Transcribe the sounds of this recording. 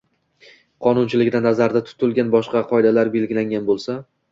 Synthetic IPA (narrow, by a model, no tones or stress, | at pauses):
qʰɒnʊnt͡ʃʰɪlɪɡʲd̪anːazaɾd̪at̪ʰʊ̥t̪ʰʊlˠɡʲanbɒʃqɑqʰɒjd̪alaɾbe̞lɡʲɪlaŋʲanbolˠsa